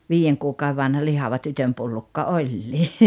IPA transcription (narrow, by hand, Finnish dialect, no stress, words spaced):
ʋiːjeŋ kuːkɑue ʋɑnhɑ lihɑʋɑ tytømpulːukːɑ olʲːiː